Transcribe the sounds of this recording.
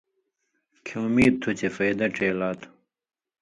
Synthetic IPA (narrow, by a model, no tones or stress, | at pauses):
kʰõːmiːd̪̚t̪ʰːut͡ɕʰefɐjd̪ɐʈ͡ʂeːlaːt̪ʰu̥